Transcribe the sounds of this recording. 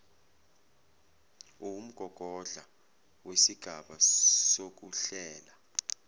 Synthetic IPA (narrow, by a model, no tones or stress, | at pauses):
um̩ɡ̥ʱɔɡ̥ʱɔɮa | wesiɡ̥ʱaɓasok̬uɬɛːla